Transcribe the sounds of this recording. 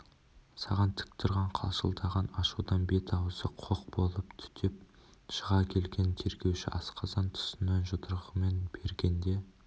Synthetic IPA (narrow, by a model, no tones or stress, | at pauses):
sɑʁɑnt̪ʰɪ̥k̚t̪ʰʊɾʁɑɴqʰɑ̰lˠʃə̰lˠt̪ʰɑʁɑnɑʃud̪ɑnbe̞t̪ʰɑwsəqʰoq̚b̥o̞lˠəpt̪ʰʏ̥t̪ʰep̚ | ʃəʁɑkʲʰe̞lɡʲe̞nt̪ʰe̞ɾɡʲe̞wʃɪ̰ʔɑsqɑzɑnt̪ʰʊ̥sənːɑnʒot̪ʰəɾʁəme̞nb̥e̞ɾɡʲe̞nd̪e̞